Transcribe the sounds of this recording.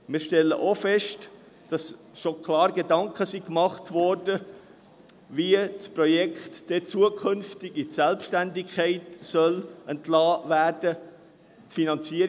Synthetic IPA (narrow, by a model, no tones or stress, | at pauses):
miːɾʃtɛlːə̰ʔofɛʃt | d̥ɑs | ʃokʰlɑːɾɡedɑŋkχəsikmɑχtvɔrdə | viət͡sprɔjɛkχtd̥ɛt͡suəkʰʏnftɪɡitsɛlpʃtændɪkʰχɛɪtsœlɛntlɑːvæːrd̥ə | tfinɑnt͡siəɾ